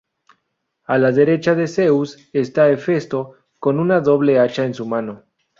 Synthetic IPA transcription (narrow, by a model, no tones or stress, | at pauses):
alaðeɾe̞t͡ʃaðe̞seus | est̪aefe̞st̪o̞ | ko̞nunaðo̞βle̞at͡ʃaensumano̞